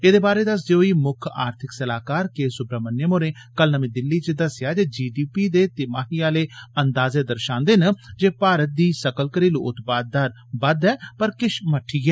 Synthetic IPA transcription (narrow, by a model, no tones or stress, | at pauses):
eːd̪eːbaːɾeːd̪əs̬d̪eːoːiːmʊkʰa̰ːɾt̪ʰɪksəlaːkaːɾkeːsʊbɾəmənjəmoːɾẽːkəlnəmẽːd̪ɪlːiːt͡ʃd̪əsɪjaːd͡ʒeːd͡ʒiːɖiːpiːd̪eːt̪ɪmaːɦijaːleːənd̪aːzeːd̪əɾʃãːnd̪eːnd͡ʒeːpaːɾət̪̚d̪iːsəkəlkəɾiːlo̰ːʔʊt̪paːd̪̚ːaːɾ | bəd̪ɛːpəɾkɪʃməʈʰːiːɡɛː